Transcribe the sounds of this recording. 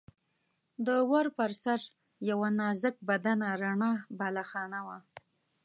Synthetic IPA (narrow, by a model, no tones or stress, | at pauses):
d̪əwaɾpəɾsaɾ | jawanɑzək̚bad̪anaɾaɳɑbalaxɑnawa